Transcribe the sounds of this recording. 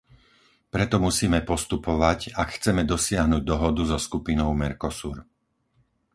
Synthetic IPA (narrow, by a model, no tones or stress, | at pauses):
pɾɛt̪ɔmusiːmɛpɔst̪upɔʋacakxt͡sɛmɛd̪ɔsɪaɦnuɟ̚d̪ɔɦɔd̪uzɔskupinɔʊmɛɾkɔsuːɾ